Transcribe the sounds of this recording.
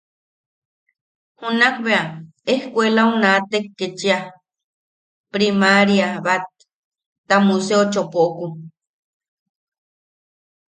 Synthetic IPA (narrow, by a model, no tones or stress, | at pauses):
hunakβea | ehkʷelaunat̪ekːet͡ʃia | pɾimaɾjaβat̪̚ː | amuseot͡ʃopoʔoku